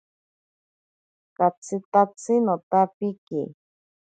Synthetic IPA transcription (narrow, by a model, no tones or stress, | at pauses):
kat͡sʰɨt̪at͡sʰinot̪apikḭ